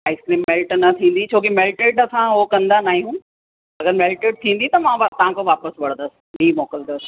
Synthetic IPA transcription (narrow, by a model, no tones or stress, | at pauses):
aːɪskliːmmeːlʈnɐt̪ʰĩːn̆d̪it͡ɕʰoːkimelʈeːʈɐsãɦokɐ̃nd̪anaːɦijũ | ɐɡəɾmeːlʈeːɖ̚t̪ʰĩːn̆d̪it̪ɐmãʋt̪ɐɦãkoʋaːpəsʋɐɽ̤̃nd̪əsɪ̥biːmoːkəld̪os